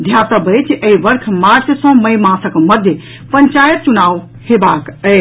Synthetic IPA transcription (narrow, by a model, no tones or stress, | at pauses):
d̪ʱjat̪əbət͡ʃʰʔəiʋəɾkʰmaɾt͡ʃsə̃məjmãsəkməd̪ʱje | pənt͡ʃajət̪̚t͡ʃunaʋ | hebakəj